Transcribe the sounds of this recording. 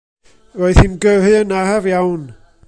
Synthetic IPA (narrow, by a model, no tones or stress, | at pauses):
roɨθimɡəɦɨənaɦavjawn